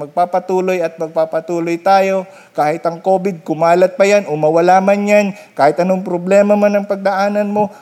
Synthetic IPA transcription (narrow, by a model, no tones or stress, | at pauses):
ɐɡ̚paːpɐt̪uːlo̞jɐt̪̚mɐɡ̚papɐt̪uːlojt̪aːjo̞ | kaːhɪt̪ɐŋko̞ːbɪd̪̚kʊmaːlɐt̪̚pɐjanʔomɐwɐlaːmanjan | kaːhɪt̪ʔɐnoŋpɾoblɛːmɐmanɐŋpɐɡ̚d̪ɐʔaːnɐnmo̞